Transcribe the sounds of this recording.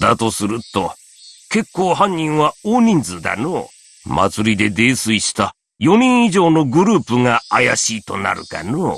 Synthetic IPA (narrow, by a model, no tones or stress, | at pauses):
d̪at̪o̞sɨɾɯ̟t̪o | ke̞kːoːhãɲ̟ːĩɰ̃βaoːɲ̟ĩnd͡zɨd̪a̰noː | mʔa̰t͡sɨɾʲid̪e̞d̪e̞ːsɨiɕi̥t̪a | jo̞ɲ̟ĩɰ̃iʑo̞ːno̞ɡɯ̟ɾɯ̟ːpɯŋaajaɕiːt̪o̞na̰ɾɯ̟̰ka̰no